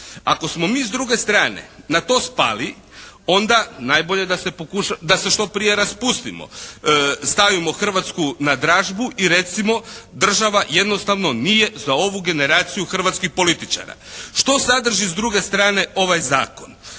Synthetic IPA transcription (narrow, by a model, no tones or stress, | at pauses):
ako̞smo̞miːzd̪ɾuɡe̞st̪ɾaːnḛnat̪o̞ːspa̰ːli | o̞nd̪anaːjbo̞ʎe̞d̪ase̞pokuʃad̪ase̞ʃt̪o̞pɾije̞ɾaspust̪imo̰ | st̪aʋimo̞xr̩ʋat̪skunad̪ɾaːʒbuʔiɾe̞t̪simo̞d̪r̩ʒaʋaje̞d̪no̞st̪aʋno̞nije̞zao̞ʋuɡe̞ne̞ɾaːt̪sijuxr̩ʋat̪skixpo̞lit̪it͡ʃa̰ːɾa̰ʃt̪o̞sad̪r̩ʒizd̪ɾuɡe̞st̪ɾaːne̞o̞ʋajza̰ːkon